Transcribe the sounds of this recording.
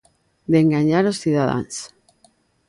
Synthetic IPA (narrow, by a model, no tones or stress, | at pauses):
d̪eŋɡaɲaɾosθiðaða̰ns